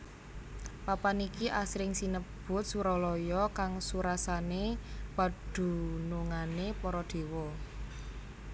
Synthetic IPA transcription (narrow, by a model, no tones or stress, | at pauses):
papanikiʔasɾɪŋsinəb̥ʊ̤t̪̚suɾɔlɔjɔkaŋsuɾasaneb̥a̤d̪̥ṳnuŋanepɔɾɔd̪̥e̤wɔ